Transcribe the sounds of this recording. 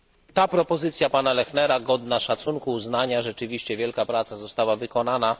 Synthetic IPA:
t̪apɾɔpɔzɘt̪sʲjapanalɛxnɛɾaɡɔd̪naʂat̪suŋkuːznaɲaʐɛt͡ʂɘvʲiɕt͡ɕɛvʲjɛlkapɾat̪sazɔst̪awavɘkɔnana

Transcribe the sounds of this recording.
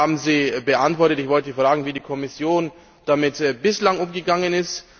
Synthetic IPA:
aːbm̩ziːbəʔantv̥ɔɐtətɪçv̥ɔltəfʁ̥aːɡŋ̩viːdiːkʰɔmɪsjoːn | d̥amɪtːbɪslaŋʔʊmɡəɡaŋənɪst

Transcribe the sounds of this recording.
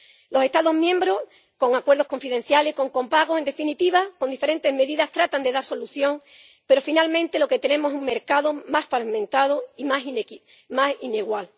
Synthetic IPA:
lo̞se̞ht̪aðo̞ɦmjẽ̞mbɾo̞ | ko̞ŋakwe̞ɾð̞o̞hko̞ɱfiðe̞n̟θjale̞hko̞ŋko̞mpaɣ̞oend̪e̞finit̪iβakond̪ife̞ɾẽ̞nt̪e̞zme̞ðiðast̪ɾat̪and̪e̞ðaɾso̞luθjo̞ŋ | pe̞ɾo̞finalmẽ̞nt̪e̞loke̞t̪e̞nẽ̞moesuŋme̞ɾkaðo̞masfaɾmẽnt̪aðoimasin | masineɣwal

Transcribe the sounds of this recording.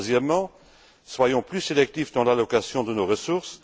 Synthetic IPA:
zjɛmːɑ̃ | swajɔ̃plyselɛk̚t̪ifd̪ɑ̃lalɔkasjɔ̃d̪ənoʁəsuʁs

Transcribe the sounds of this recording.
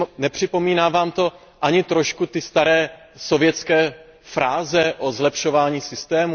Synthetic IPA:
nɛpr̥ɪpo̞miːnaːvaːmt̪o̞ | ʔaɲɪt̪ɾo̞ʃkut̪ɪst̪aɾɛː | so̞vjɛt͡skɛː | fɾaːzɛʔozlɛpʃo̞vaːɲiːsɪst̪ɛːmu

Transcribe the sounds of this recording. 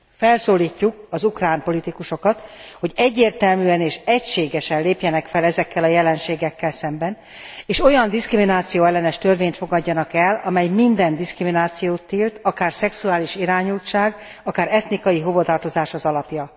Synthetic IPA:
fɛlsoːlːiːcːukɒzukraːmpo̞lit̪ikuʃo̞kɒt̪hoɟɛɟːeːrt̪ɛlmyːɛneːʃɛcʃeːɡɛʃɛnleːpjɛnɛkfɛlɛzɛkːɛlɒjɛlɛnʃeːɡɛkːɛlsɛmbɛn | eːʃo̞jɒnd̪iskriminaːt̪sijoːɛlːɛnɛʃt̪ørveːɲt̪fo̞ɡɒɟːɒnɒkɛlɒmɛjmind̪ɛnd̪iskriminaːt̪sijoːt̪ːiːlt̪ɒkaːrsɛksuaːliʃiɾaːɲult͡ʃaːɡ | ɒkaːɾɛt̪nikɒjiɦo̞vot̪ɒrt̪o̞zaːʃɒzɒlɒpjɒ

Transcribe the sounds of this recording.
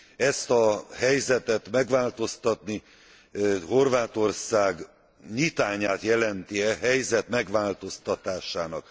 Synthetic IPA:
ɛst̪ɒhɛjzɛt̪ɛt̪mɛɡʋaːlt̪o̞st̪ɒt̪ni | ho̞rvaːt̪o̞rsaːɡ | ɲit̪aːɲaːt̪jɛlɛnt̪iɛɦɛjzɛt̪mɛɡʋaːlt̪o̞st̪ɒt̪aːʃaːnɒk

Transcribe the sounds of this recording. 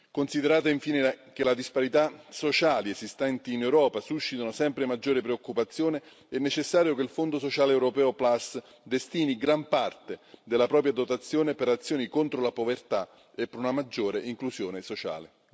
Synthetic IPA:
konsid̪eɾaːt̪aiɱfiːnekelad̪ispaɾit̪asot͡ʃaːliezist̪ɛnt̪iːnewɾɔːpasuʃːit̪anʊsɛmpɾemad͡ʒːoːɾepɾeokːupat̪sːjoːne | ɛnːet͡ʃesːaːɾjokelfond̪osot͡ʃaːleɛwɾopɛːoplas | d̪est̪iːniɡɾampart̪ed̪elːapɾɔːp̬ɾjad̪ot̪at̪sːjoːnepeɾat̪sːjoːnikont̪ɾolapovert̪a | epːeɾunamad͡ʒːoːɾeʔiŋklusjoːnesot͡ʃa̰ːle

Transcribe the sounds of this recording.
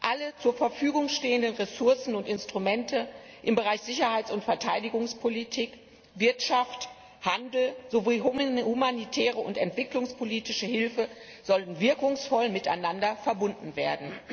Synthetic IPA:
ʔalət͡suːɐfɛɐfyːɡʊŋʃteːəndənʁesʊɐsn̩ʊntɪnstʁ̥umɛntʰə | ʔɪmbəʁaɪçz̥ɪçɐhaɪt͡sʊntfɛɐtʰaɪdɪɡʊŋspʰolitʰiːk | vɪɐtʃaft | handl̩zoviːɦhumanitʰɛːʁəʊntɛntv̥ɪklʊŋspʰoliːtɪʃəhɪlfə | z̥ɔln̩vɪɐkʊŋsfɔlmɪta̰ɪnandɐfɛɐbʊndn̩veːɐdn̩

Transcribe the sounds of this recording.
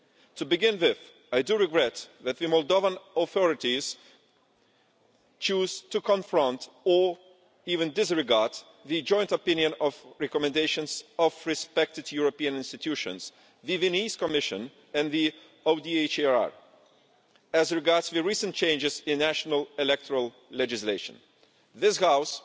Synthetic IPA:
tʰubɨɡɪ̃nwɪð | ajdɨɹɨɡɹɛt̪ðæt̪̚ðɨmɔlˠdovə̃nɔθɔɹɨtiz̥ | t͡ʃuz̥tukʰɔ̃ɱfɹɔ̃nt | ə | ivɨ̃ndɪs̬ɹɨɡɑɹd̪̚ | ðɨd͡ʒɔ̃j̃ntɔpɪ̃njə̃nɔvɹɛkɔmɨ̃ndeɪʃə̃nzɔvɹɨspɛk̚tɨdjuɹɔpiɨ̃nɪ̃nstɨtʰuʃɨ̰̃nz̥ | ðɨvɨniskɔmɪʃɨ̃n | ɨ̃nði | oʊdiet͡ʃa̰ɹ | æzɹɨɡɑɹdzðɨɹisə̃nt͡ʃẽɪ̃nd͡ʒɨzɪ̃nːæʃnəlˠɛlɛk̚tʰəɹəlˠ | lɛd͡ʒɨsleɪʃə̰̃n | ðɪshaʊs

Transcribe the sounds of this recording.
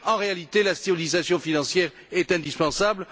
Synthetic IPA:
ɑ̃ʁealit̪elast̪eʁilizasjɔ̃finɑ̃sjɛʁ | ɛt̪ɛ̃d̪ispɑ̃sabl

